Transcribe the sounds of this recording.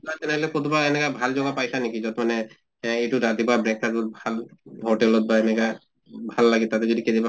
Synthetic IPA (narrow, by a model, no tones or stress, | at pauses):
at̪ɛnɛɦɔlɛkot̪ubaɛnɛkabʱalzɔɡapajsanekizɔt̪manɛ | ejtuɾad̪ibabɹɛkːatutbʱalɦoʈɛlɔt̪̚baɛnɛka | bʱalːaɡit̪̚ːat̪ɛzodikediba